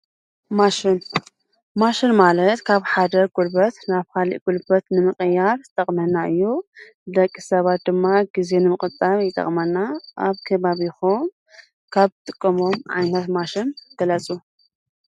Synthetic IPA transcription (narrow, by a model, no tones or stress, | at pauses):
maʃɪn | maʃɪnmalɐt̪kʰaβħad̪ɐɡulbɐt̪naβkʰalḭʔɡ̥ulbɐt̪nɨmɨχʼjaɾzɨt̪ʰʼɐχʼmɐnːaʔɨjːu | d̪ɐkʼːisɐβat̪̚d̪ɨmːaɡize̞nɨmɨχʼɨt͡sʼaβjɪt̪ʼɐ̰χʼmɐnːaʔaβkʰɐβaβixom | kʰaβɨt̪ʼɨkʼːɐmo̞mʕa̰jnɐt̪maʃɪnɡ̪̥ɐlɐt͡sʼu